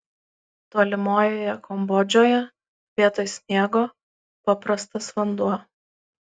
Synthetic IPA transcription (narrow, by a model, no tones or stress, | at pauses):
t̪oːlʲɪmoːjoːjɛkɔmbɔd͡ʒʲoːjɛ | ʋʲiɛt̪oːjsʲnʲiɛɡoː | pɐpɾɐst̪ɐsʋɐnd̪uɔ